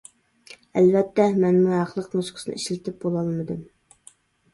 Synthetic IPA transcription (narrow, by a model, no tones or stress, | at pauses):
ælvɛt̪ːɛmɛnmuɑχlˠəqnusqʰə̥sɨnɨ̰iʃlɪt̪ʰɪp̚bolˠɑlˠmɨd̪ɨm